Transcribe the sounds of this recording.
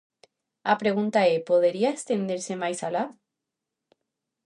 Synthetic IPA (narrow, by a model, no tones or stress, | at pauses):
apɾe̞ɣ̞unt̪aepo̞ðeɾiaest̪e̞nd̪eɾsemajsala